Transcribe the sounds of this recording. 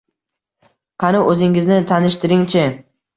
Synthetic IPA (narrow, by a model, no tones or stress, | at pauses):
qʰɑnɪʔɵzɪŋɪznɪt̪ʰanɪʃt̪ɪɾɪŋt͡ʃʰɪ